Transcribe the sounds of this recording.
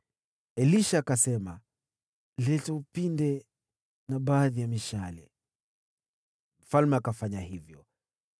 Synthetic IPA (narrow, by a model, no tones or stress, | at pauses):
ɛliʃakasɛma | lɛtɔupindɛ | naɓaːðijamiʃalɛ̰ | m̩falmɛakafaɲahivjɔ